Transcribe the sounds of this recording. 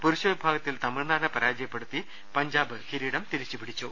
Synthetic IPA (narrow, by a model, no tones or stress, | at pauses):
puɾuɕɐʋibʱaːɡɐt̪ːilt̪ɐmiɭnaːnɐpɐɾaːd͡ʑɐjɐpːeɽut̪ːi | pɐɲd͡ʑaːbɨxiɾiːɽɐmt̪iɾit͡ɕːupiɽit͡ɕːu